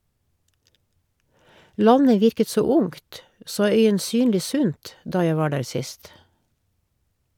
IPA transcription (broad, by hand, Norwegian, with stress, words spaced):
ˈlɑɲə ˈʋɪɾkə ˈtsoː ˈʊŋt ˈsoː ˌœʏənˈsyːnliː ˈsʉnt ˈdɑː ˈjæ ˈʋɑː ˈɖæːɹ ˈsɪst